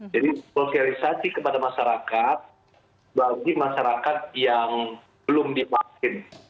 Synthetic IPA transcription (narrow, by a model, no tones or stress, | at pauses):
d͡ʒadifokalisasikəpadamaʃaɾakat̪̚ | baɡimaʃaɾakat̪̚jaŋ | bəlʊmdimakɪn